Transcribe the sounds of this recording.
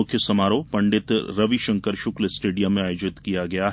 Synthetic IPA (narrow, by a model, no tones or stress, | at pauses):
ʊkʰjəsɐmaːɾopɐ̃ɳɖɪt̪ɾɐʋiʃɐ̃ŋkəɾʃʊklsʈeːɖijəmːẽaːjoːd͡ʒɪt̪kijaɡɐjaɦ